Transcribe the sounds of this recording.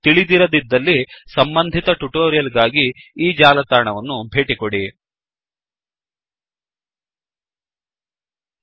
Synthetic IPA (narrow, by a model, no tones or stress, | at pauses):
t̪iɭid̪iɾɐd̪id̪ːɐlːisɐmbɐnd̪ʱit̪ɐʈuʈoːɾijɐlɡaːɡiːd͡ʒaːlɐt̪aːɳɐʋɐnːubʱeːʈikoɽi